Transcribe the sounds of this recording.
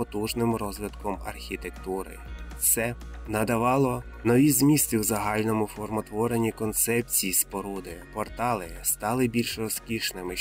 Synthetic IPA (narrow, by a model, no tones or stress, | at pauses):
ɔt̪uʒnɪmɾɔzʋɪt̪kɔmɐ̰rxʲit̪ekt̪uɾɪ̰t̪sɛ | nɐd̪ɐʋɑlˠɔ | nɔʋʲizmʲisʲt̪ʲiwzɐɦɑlʲnɔmʊfɔrmɔt̪ʋɔɾenʲikɔnt̪sɛp̚t͡sʲijispɔɾud̪ɪpɔrt̪ɑlˠɪst̪ɑlˠɪbʲilʲʃrɔskʲiʃnɪmɪ